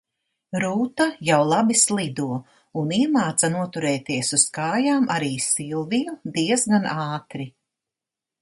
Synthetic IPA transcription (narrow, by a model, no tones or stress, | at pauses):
ɾuːt̪ajawlˠabislˠid̪uɔ | uniɛmaːt̪sanuɔt̪uɾɛːt̪iɛsuskaːjaːmʔaɾiːsilˠvijud̪iɛzɡanʔaːt̪ɾi